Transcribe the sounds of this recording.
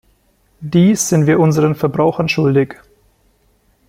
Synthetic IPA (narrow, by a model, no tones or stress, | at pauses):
d̥iːsz̥ɪntv̥iːɐʔʊnzəʁənfɛɐbʁaʊxɐnʃʊldɪç